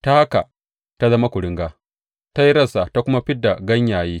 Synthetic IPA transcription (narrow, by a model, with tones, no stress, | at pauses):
ta˦ha˦ka˨ | ta˦zɐ˦ma˦kʷʊ˨ɽɪ˦ŋɡaː˦ | ta˦ji˦ɾɐ˦˨sa˨ta˦kʷʊ˦ma˦ɸɪ˦da˨ɡɐ˦ɲjaː˨jiː˦